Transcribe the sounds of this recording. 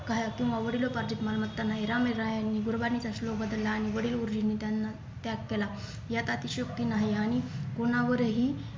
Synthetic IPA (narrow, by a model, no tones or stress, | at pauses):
kajakĩw̃ʋaʋəɽilopaɾd͡ʑit̪malmət̪ːanːaeɾameɾajanːiɡuɾbanit͡saslobəd̪əlːaːɽ̃iʋəɽiːluɾd͡ʑinit̪janːa | t̪jakkːela | jat̪at̪iɕəkt̪inaɦiaɽ̃iɡoñaʋəɾeɦiː